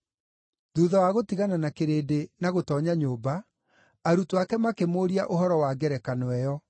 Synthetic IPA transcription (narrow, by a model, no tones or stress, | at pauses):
ðuːðawaɣotiɣananakeɾeːdenaɣotɔːɲaɲoːba | aɾutwakɛmakemoːɾiaʔoɦɔɾɔwaɡɛɾɛkanwɛjɔ